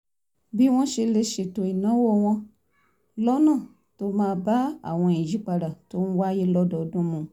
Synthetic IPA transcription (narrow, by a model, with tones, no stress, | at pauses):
bi˦w̃ɔ̃˦ʃe˧le˧ʃe˨to˧i˨nã˨˦wo˦˨w̃ɔ̃˦ | lɔ˦nã˦˨ | to˧mãː˧˨ba˦a̰˨w̃ɔ̃˧ĩ˨d͡ʒi˨˦k͡pa˧ɖa˨to˧˦nũ˦wa˦je˦lɔ˦dɔ˨dõ˦mũ˨